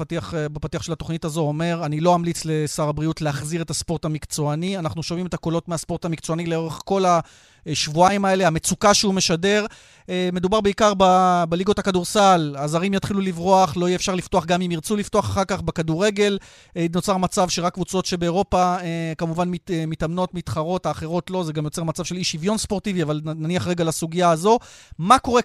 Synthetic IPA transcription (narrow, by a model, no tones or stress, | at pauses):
tiaχbepatiaχʃe̞lato̞χnitazo̞ome̞ʁanilo̞amlit͡sle̞saʁabʁiutleaχziʁe̞taspo̞ʁtamikt͡so̞anianaχnuʃo̞mime̞t̪ako̞lo̞tmeaspo̞ʁtamikt͡so̞anileo̞ʁe̞χko̞la | ʃvuaimae̞leame̞t͡sukaʃeume̞ʃade̞ʁ | me̞dubaʁbeikaʁbabeliɡo̞takaduʁsalaːzaʁimjat̪χilulivʁo̞aχlo̞iefʃaʁlift̪oaχɡamimiʁt͡sulifto̞aχaχaʁkaχbekaduʁe̞ɡe̞l | no̞t͡saʁmat͡savʃeʁakːvut͡so̞tʃe̞beːʁo̞paekamuvanmimitamno̞tmit̪χaʁo̞thaːχe̞ʁo̞tlo̞zeɡamjot͡se̞ʁmat͡savʃe̞liʃivjo̞nspo̞ʁtiviavalnaniaχʁe̞ɡalasuɡijaːzo̞mako̞ʁe̞